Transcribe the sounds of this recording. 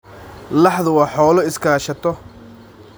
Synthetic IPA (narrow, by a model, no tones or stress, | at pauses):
lɑħðʊwɑːħɔːlɔɪskʰaːʃɐt̪ʰɔ